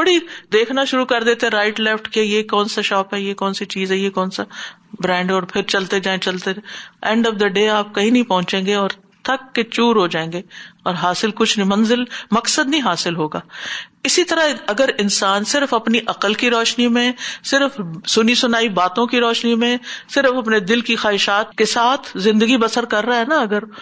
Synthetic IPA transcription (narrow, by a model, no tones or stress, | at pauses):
bɐɽid̪eːkʰnaʃʊɾukɐɾd̪eːt̪eɦɛ̃ɾaːɪʈlɛfʈkejekɔːnsaʃɔːpɦɛjekɔːnsit͡ʃiːzɦɛjekɔːnsa | bɾɛ̃ːɳɖɔːɾpʰɪɾt͡ʃɐlt̪ed͡ʒaːẽt͡ʃɐlt̪eɛ̃ːɳɖɔfd̪ɐɖeːaːp̚kɐɦĩnɐɦĩpɐɦʊ̃t͡ʃẽːŋɡeɔːɾ | t̪ʰɐkːet͡ʃuːɾɦod͡ʒaːẽːŋɡeːɔːɾɦaːsɪlkʊt͡ʃʰnmɐ̃nzɪlmɐksəd̪nɐɦĩɦaːsɪlɦoːɡaːɪsit̪ɐɾaɐɡəɾɪnsaːnsɪɾfɐpniʔɐqəlkiɾɔːʃnimẽsɪɾfsʊnisʊnaːibaːt̪õkiɾɔːʃnimẽsɪɾfɐpned̪ɪlkixaːɦɪʃaːt̪kesaːt̪ʰzɪ̃nd̪əɡibɐsəɾkɐɾːaɦɛnaɐɡəɾ